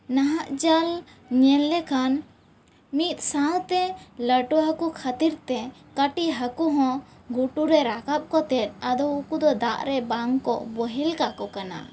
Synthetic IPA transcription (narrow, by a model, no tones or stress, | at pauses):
naɦaʔd͡ʒal | ɲɛllɛkʰan | mit̪̚ˀsãw̃t̪ɛləʈuɦakukʰat̪iɾt̪ɛkəʈiɦakuɦɔ̃ɡuʈuɾɛɾakap̚kɔt̪ɛt̪̚ˀad̪ɔukud̪ɔd̪aʔɾɛbaŋkɔ̰ʔbəɦilkakɔkana̰